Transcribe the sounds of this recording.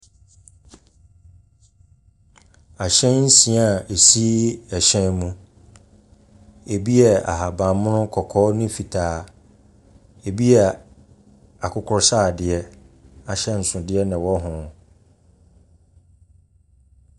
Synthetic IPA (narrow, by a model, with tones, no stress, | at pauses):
a˨ɕɛ̃˦nn̩˦sĩ˨˦a˨e˨si˦ɛ˨ɕɛ̃˦nmũ˦ | e˨bi˦ɛ˨a̰˨ɦa˨bã˨m˦mʊ̃˦nʊ̃˦kʰɔ˨kʰɔː˦nʊ̃˦fi˨tʰaː˨˦ | e˨bi˦ɛ˨ | a˨kʰʊ˦kʰʊ˦ɾsaː˦˨dɪ˨ɛ˦a˨ɕɛ˦n̩˨sʊ̃˨dɪ˦ɛ˦nɪ̃˨wɔ˦ɦʊ̃˨